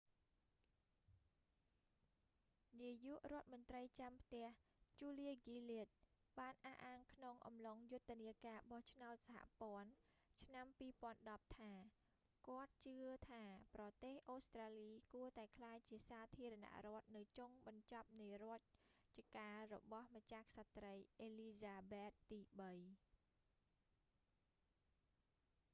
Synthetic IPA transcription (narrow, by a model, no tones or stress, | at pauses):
niəjuəʔrŏət̪̚mŏnt̪rəjt͡ɕampʰt̪ɛ̆əht͡ɕuːliəɡiːliət̪̚ | ɓaːnʔahʔaːŋkʰnoŋʔɑ̰mloŋjʊt̪ʰːeəniəkaːɓɑht͡ɕʰnaɔt̪̚saha̰ʔpŏən | t͡ɕʰnampiːpŏənɗɑp̚t̪ʰaː | kŏət̪̚t͡ɕɨət̪ʰaːprɑt̪eːhʔoːst̪raːliːkuət̪aɛkʰlaːjt͡ɕiəsaːt̪ʰiəɾɑna̰ʔrŏət̪̚nɨwt͡ɕoŋɓɑɲt͡ɕɑp̚nɨjrŏət̪̚t͡ɕiəkaːrɔ̰ɓɑhmat͡ɕaksat̪rəjʔeːliːsaːɓeːt̪̚ːiːɓəj